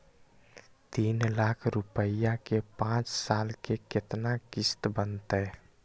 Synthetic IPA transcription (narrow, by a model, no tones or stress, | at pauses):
t̪inlakʰɾupəjakepãt͡ʃsalkeket̪nakist̪bənt̪əj